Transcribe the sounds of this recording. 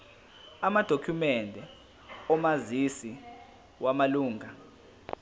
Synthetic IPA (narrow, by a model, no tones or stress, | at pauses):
amad̥ʱokʰumɛndʱɛ | ɔmazisi | wamaluːŋa